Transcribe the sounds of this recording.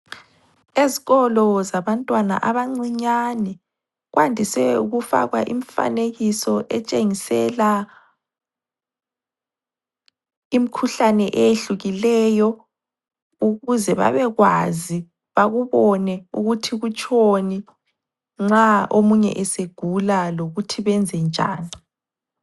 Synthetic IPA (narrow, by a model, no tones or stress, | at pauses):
eziɣɔlɔzaβantʼwana̰ʔaβaŋ͡ǀiɲanɛ | ɣwantʼisɛuɣufa̰ɣwaʔiɱfa̰neɣisɔʔɛt͡ʃʼeŋisɛla | im̩kʰuɬanɛʔɛjeɬuɣilɛːjɔ | uɣuzɛβa̰βɛɣwazi | βaɣuβɔnɛuɣutʰiɣut͡ʃʼʰoni | ŋ͡ǁaʔomuɲɛ̰ʔɛseɡ̥ʱulaloɣutʰiβɛnd͡zʱɛnd͡ʒʱa̰ːni